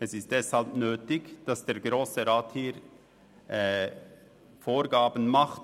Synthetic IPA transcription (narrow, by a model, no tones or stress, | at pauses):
ɛsɪst̚d̥ɛshɑlpnøːtɪɡd̥ɑsd̥eːɾɡɾoːsəɾaːthiːɾ | foːɾɡaːbən̩mɑχt